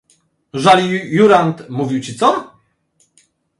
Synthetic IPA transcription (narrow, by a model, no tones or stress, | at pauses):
ʐalʲijuɾant̪muvʲiwt͡ɕit̪sɔ